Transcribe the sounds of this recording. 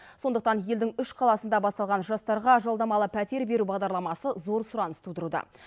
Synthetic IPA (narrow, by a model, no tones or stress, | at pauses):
so̞nd̪əq̚t̪ɑnje̞ld̪ɪŋʏʃqʰɑlˠɑsənd̪ɑbɑst̪ɑlˠʁɑnʒɑst̪ɑɾʁɑʒolˠd̪ɑmɑlˠəpʰæt̪e̞ɾbe̞ɾubɑʁd̪ɑɾlˠɑmɑsəzo̞ɾsʊɾɑnəst̪ud̪əɾud̪ɑ̰